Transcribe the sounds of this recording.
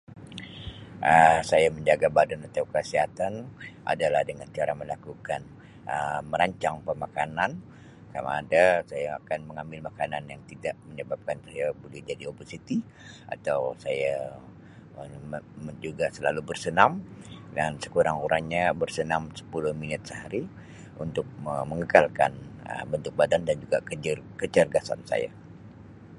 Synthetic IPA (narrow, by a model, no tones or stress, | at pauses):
ʔəsajaməɲd͡ʒaɡabadanat̪awkəsiɦat̪anʔa̰dalahdəŋant͡ʃaɾaməlakukan | əməɾaɲt͡ʃaŋpəmakanan | kama̰a̰dasajaakanməŋambɪlmakananjaŋt̪idaʔməɲəbap̚kanajabolɛhd͡ʒadioposit̪i | a̰t̪awsaja | məd͡ʒuɡasəlalubərsənamdansə̥kuɾaŋuɾaŋɲabərsənamsə̥pulʊhminɪt̪̚səɦaɾi | ʔunt̪ʊk̚əməŋəkalka̰nə̰bənt̪ʊk̚badandand͡ʒuɡakəd͡ʒərkət͡ʃərɡasa̰nsa̰ja̰